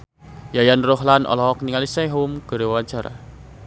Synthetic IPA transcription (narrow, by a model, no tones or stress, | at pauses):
jajanroɦlanʔɔ̰lɔɦɔk̚niŋalisɛɦumɡ̥ə̤ɾewat͡ʃaɾa̰